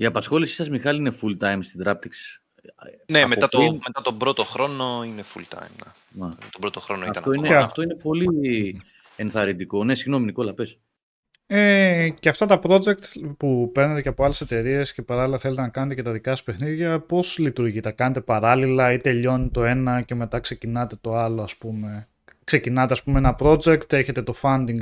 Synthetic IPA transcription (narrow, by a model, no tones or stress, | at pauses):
iɐpɐsxo̞lisi̥sɐzmixɐliine̞fult̪ɐjmst̪id̪ɾɐp̚t̪iksi̥s | nemeɐt̪met̪ɐt̪obɾo̞t̪oxɾo̞noinefṵlt̪ɐ̰jmɐ̰ | t̪obɾot̪oxɾoniɐtɐnt̪o̞ineeɐft̪o̞ine̞po̞li | enθɐɾind̪iko̞nesiɣno̞miniko̞lɐpe̞s | eceɐft̪ɐt̪ɐpɾo̞d͡ʒe̞k̚t̪pupe̞ɾnet̪eceɐpo̞ɐle̞se̞t̪e̞ɾie̞sce̞pɐɾɐlilɐθelet̪enɐkɐne̞t̪ece̞t̪ɐðikɐsɐspe̞xniðʝɐpo̞zlit̪uɾʝit̪ɐkɐne̞t̪e̞pɐɾɐlilɐit̪e̞ʎo̞nit̪o̞e̞nɐce̞me̞t̪ɐkse̞cinɐt̪e̞t̪o̞ɐloɐspume̞ | kse̞cinɐt̪e̞ɐspumeenɐpɾo̞d͡ʒe̞kt̪e̞çe̞t̪e̞t̪o̞fɐnd̪iŋɡ